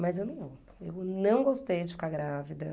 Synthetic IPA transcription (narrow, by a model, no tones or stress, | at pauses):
mɐzewnɐ̃w̃vo | ewnɐ̃w̃ɡost̪ejd͡ʒɪfi̥kaɾɡɾavid̪ɐ